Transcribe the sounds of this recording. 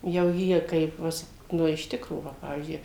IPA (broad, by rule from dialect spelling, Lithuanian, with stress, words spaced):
jɛʊ ˈjiɛ ˈkɐɪp ˈʋʲɪs ˈnʊ ɪʃ ˈtʲɪkroː ˈʋɐ ˈpɑːʋʲiːzʲd͡ʒʲʊɪ